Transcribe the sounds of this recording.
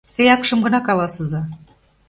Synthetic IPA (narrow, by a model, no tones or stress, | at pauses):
t̪əjɑkʃɤ̆mɡɤ̆nɑkɑlˠɑsɤ̆zɑ